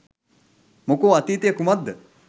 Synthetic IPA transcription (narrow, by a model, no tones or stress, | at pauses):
mokoːɐt̪iːt̪jɐkumɐd̪ʱ